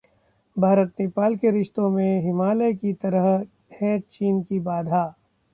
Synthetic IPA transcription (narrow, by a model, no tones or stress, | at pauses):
bʱaːɾət̪nɪpaːlkeɾɪʃt̪õmẽɦɪmaːlekit̪ɐɾəɦ | hɛ̃t͡ʃiːnkibaːd̪ʱaː